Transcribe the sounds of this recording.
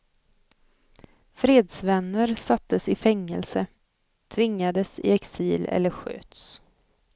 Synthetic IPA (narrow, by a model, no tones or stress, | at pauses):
fɾeːd̪svɛnːəɾsat̪ːəsɪfɛŋːəlsə | t̪ʰvɪŋːad̪əsɪ̰ɛksiːlɛ̰lːəɾɧø̰ːt̪s